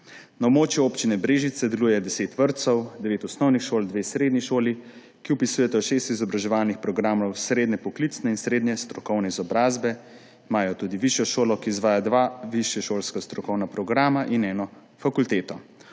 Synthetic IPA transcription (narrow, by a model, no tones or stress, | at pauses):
naobmoːt͡ʃjuopt͡ʃinɛbɾeːʒit̪sɛd̪ɛluːjɛd̪ɛseːt̪ʋəɾt̪sɔwd̪ɛʋeːt̪ɔsnɔwnixʃoːld̪ʋeːsɾeːd̪niʃoːli | kiɔpisujɛt̪ɛɔʃeːst̪izɔbɾaʒɛʋaːlnixpɾɔɡɾaːmɔwsɾeːd̪nɛpɔklit̪snɛinsɾeːd̪nɛst̪ɾɔkɔwnɛizɔbɾaːzbɛ | imaːjɔt̪uːd̪iʋiʃjɔʃoːlɔkiːzʋaːjad̪ʋaːʋiʃjɛʃoːlskast̪ɾɔkɔwnapɾɔɡɾaːmaʔinɛːnɔ | fakult̪eːt̪ɔ